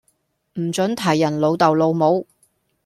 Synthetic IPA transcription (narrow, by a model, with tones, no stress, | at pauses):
m̩˨˩t͡sɵ˨˥nt̪ʰɐ˨˩jːɐ˨˩nlo˨˧wt̪ɐ˨wlo˨˧wmo˨˧w